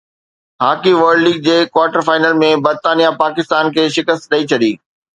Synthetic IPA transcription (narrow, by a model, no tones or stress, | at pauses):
ɦaːkiʋəɾɖliːɡ̚d͡ʑeːkwaːɾʈəɾfaːɪnəlmẽbɐɾt̪aːnijapaːkɪst̪aːnkʰeːʃɪkəst̪ɗɐit͡ɕʰɐɗiː